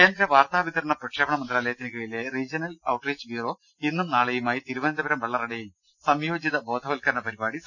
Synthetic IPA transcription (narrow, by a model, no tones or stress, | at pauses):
ke̞ːnd̪ɾɐʋaːrt̪aːʋit̪ɐɾɐɳɐprɐkʂeːbɐɳɐmɐnd̪raːlɐjɐt̪ːinkɐɭile̞riːd͡ʑɐnɐlɐwʈreːd͡ʑʋiːro̞ː | inːumnaːɭejumaːjit̪iɾuʋɐnɐd̪ɐbɐɾɐmʋɐɭːɐrɐɽejum | sɐmjo̞ːd͡ʑiðɐbo̞ːd̪ʱɐʋɐlkɐɾɐɳɐpɐɾibaːɽi